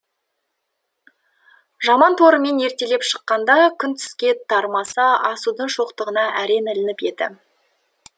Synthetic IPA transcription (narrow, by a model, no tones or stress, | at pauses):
ʒɑmɑnt̪ʰo̞ɾəme̞ne̞ɾt̪e̞lepʃə̥qːɑnd̪ɑkʲʰʏnt̪ʰʏ̥skʲe̞t̪ʰɑɾmɑsɑɑsud̪əɴʃo̞qt̪əʁənɑʔæɾe̞nɪlɪnɪpje̞d̪ɪ̰